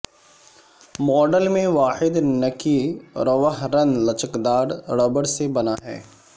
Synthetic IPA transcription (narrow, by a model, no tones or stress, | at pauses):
mɔːɖəlmẽʋaːħɪd̪nɐkiɾɐʋəɦɾɐ̃nlɐt͡ʃəkd̪aːɾɾɐbəɽsebɐnaɦɛ̰ː